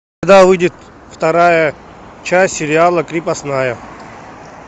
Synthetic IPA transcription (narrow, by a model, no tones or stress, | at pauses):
d̪avɨdʲɪt̪ | ft̪ɐɾajə | t͡ʃasʲsʲɪɾʲɪalˠəkɾʲipɐsnajə